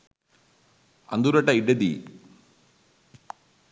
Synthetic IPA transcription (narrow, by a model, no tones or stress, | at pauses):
ɐ̰nd̪uɾɐʈːɐiɖed̪ḭ